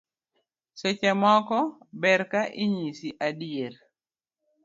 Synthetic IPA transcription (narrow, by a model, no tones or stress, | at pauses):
sɛt͡ʃɛmɔkɔbɛɾkaʔɪɲisiʔaɗieɾ